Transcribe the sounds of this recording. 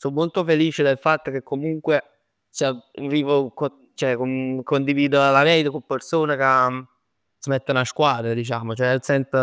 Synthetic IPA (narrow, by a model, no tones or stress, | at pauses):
somːolt̪ofeliːt͡ʃed̪elfat̪ːok̟ekːomuŋkwe | saviːvoko | t͡ʃoɛkomkond̪iviːd̪oalaɾɛːd̪ekompersoːneke | smɛt̪ːanaʃkwaːd̪ɾed̪it͡ʃaːmot͡ʃoɛsɛnt̪